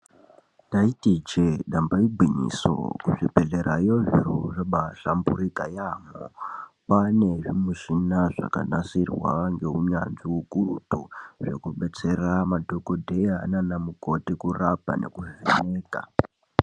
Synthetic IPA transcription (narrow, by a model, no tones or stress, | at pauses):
taitit͡ʃeɗambaibʱwiɲḭso̰kuʐipeɮe̞ɾajoʐḭɾuʐeɓaɬambuɾikajamo̰pane̞ʐimuʃinaʐa̰ka̰nasirwa̰ŋɡe̞uɲanʐiukurutuʐe̞̰kuɓe̞t͡se̞ramadʱokodʱe̞ja̰nanamuko̞tikurapa̰ne̞̰kuʐeneːka̰